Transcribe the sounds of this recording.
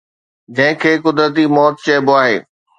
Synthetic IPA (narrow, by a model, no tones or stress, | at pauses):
d͡ʑɐ̃ɦɪ̃kʰeːkʊd̪ɾət̪imɔːt̪̚t͡ɕɐboaːɦḛː